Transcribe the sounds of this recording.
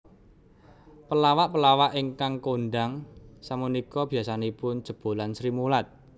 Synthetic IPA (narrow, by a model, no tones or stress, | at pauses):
pəlawaʔpəlawaʔiŋkaŋkonɖaŋsamunikɔb̥i̤asanepʊn̥d͡ʒ̥ə̤b̥o̤lansɾimulat̪̚